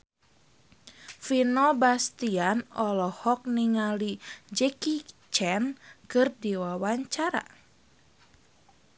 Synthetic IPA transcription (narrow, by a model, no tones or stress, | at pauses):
finɔbast̪ianɔlɔhɔk̚niŋalid͡ʒɛkit͡ʃɛnkɨrdiwawaɲt͡ʃaɾa̰